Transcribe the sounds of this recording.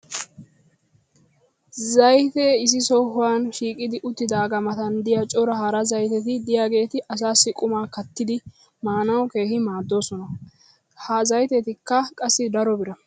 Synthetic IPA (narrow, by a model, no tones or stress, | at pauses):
zɐjt̪ɛɪs̬ɪsɔhʊwaːnʃiːkʼɪd̪ɪʔʊt̪ːɪd̪aːɡɐmɐt̪ɐnd̪ɪjat͡ʃʼɔɾɐhɐɾɐzɐjt̪ɛt̪ɪd̪ɪjaːɡe̞ːt̪ɪʔɐs̬aːsːɪkʼʊmaːkɐt̪ːɪd̪ɪ | maːnɐwke̞ːhɪmaːd̪ːo̞ːsɔnɐ | hɐzɐjt̪ɛt̪ɪkːɐkʼɐsːɪd̪ɐɾɔbɪɾɐ